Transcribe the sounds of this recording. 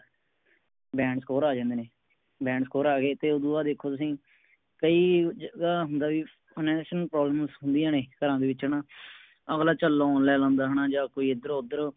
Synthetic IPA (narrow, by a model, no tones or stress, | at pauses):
bɛ̃ːɳɖskoːɾaːd͡ʒãːnd̪eːneː | bɛ̃ːɳɖskoːɾaːɡeːt̪eːʊd̪uːaːd̪eːkʰoːt̪ʊsĩː | kəiːd͡ʒəɡaːɦʊnd̪aːʋiː | nɛːʃəlpɾɔːbləmsɦʊnd̪ijãːneːkəɾãːd̪eːʋɪt͡ʃənaː | əɣlaːt͡ʃəlːoːnlɛːlãːnd̪aːɦənaːd͡ʒaːkoːiːɪd̪əɾoʊd̪əɾ